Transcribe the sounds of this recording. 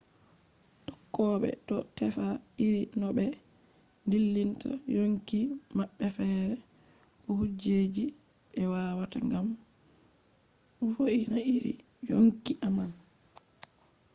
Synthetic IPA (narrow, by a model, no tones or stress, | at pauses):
tɔ̥kːɔɓɛ̰ɗɔtɛfa | iɾinɔɓɛ | ndilːintʰa̰joŋkimaɓːɛfɛːɾɛ | ʔɔhud͡ʒed͡ʒi | ɛwawataŋɡam | ɔfoʔinaiɾḭ | joŋkiʔaman